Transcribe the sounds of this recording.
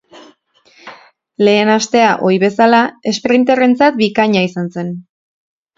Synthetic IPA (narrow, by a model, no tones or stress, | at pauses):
le̞ːnast̪e̞aʔo̞jβe̞salae̞spɾint̪ere̞nt͡sat̪̚bikaɲaisanse̞n